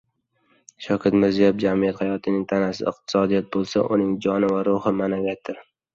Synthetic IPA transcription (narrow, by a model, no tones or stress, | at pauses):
ʃɒkʲʰat̪mɪɾzijabd͡ʒamijat̪hajɒt̪ʰɪnɪŋt̪ʰanasɪ̰ɨq̚t̪ʰɪ̥sɒd̪ijat̪̚bolˠsa̰ʔʊnɪŋd͡ʒɒnɪvaɾʊhɪmanaɡʲat̪ʰːɪɾ